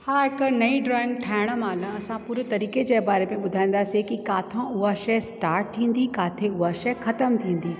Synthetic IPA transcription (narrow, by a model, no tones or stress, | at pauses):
haːɦɪknɐiɖɾɔːɪ̃ŋɡʈʰaːɪɽ̃əmaːlə̃ɐsãpʊɾɪt̪ɐɾiːked͡ʑeːbaːɾemẽɓʊd̪ʱaːĩːn̆d̪aːsikikaːt̪ʰõʊɦaʃɐsʈaːɾʈ̚t̪ʰĩːn̆d̪ikaːt̪ʰeʊɦaʃɐxɐt̪əmt̪ʰĩːn̆d̪iː